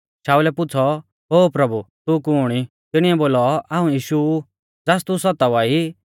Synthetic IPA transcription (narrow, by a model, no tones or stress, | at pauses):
ʃaːulɛpʊt͡sʰɔ | ɦoːpɾɐbut̪ukuːɽ̃i | t̪ɪɽ̃iɛboːlɔaːũjiːʃu | d͡zaːst̪usɔt̪aʋaːi